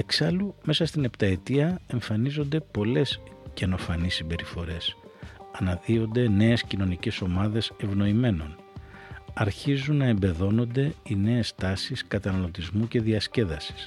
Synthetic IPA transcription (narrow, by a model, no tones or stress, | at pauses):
e̞ksɐlume̞sɐst̪ine̞pt̪ɐe̞t̪iɐe̞ɱfɐnizo̞nd̪e̞po̞le̞sceno̞fɐnisimbe̞ɾifo̞ɾe̞sɐnɐðio̞nd̪e̞ne̞escino̞nice̞so̞mɐðe̞se̞vno̞ime̞no̞̰n | ɐɾçizunːɐe̞mbe̞ðo̞no̞nd̪e̞ine̞est̪ɐsiskɐt̪ɐnɐlo̞t̪izmuce̞ðiɐsce̞ðɐsi̥s